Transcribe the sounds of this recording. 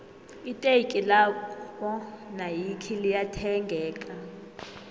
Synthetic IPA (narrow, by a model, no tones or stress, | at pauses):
itʼekʼilaɔnajikʰilijatʰɛŋɡʱɛːkʼa